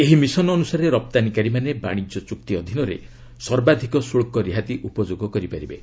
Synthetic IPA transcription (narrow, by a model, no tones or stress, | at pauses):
eɦimisɔnɔːnusaɾeɾɔp̚t̪anikaɾimaneba̰ɽ̃id͡ʒɔt͡ʃuk̚t̪iɔd̪ʱinɔɾḛ | sɔɾbad̪ʱikɔsuɭkɔɾiɦat̪iʔupɔd͡ʒoɡɔkɔɾipaɾibe